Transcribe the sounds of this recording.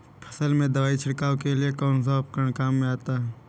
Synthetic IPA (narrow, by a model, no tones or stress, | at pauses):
pʰɐ̥səlmẽd̪ɐʋaːit͡ʃʰɪɽkaːwkeliekɔːns̬aəp̚kəɳ̃kaːmːẽaːt̪aɦɛː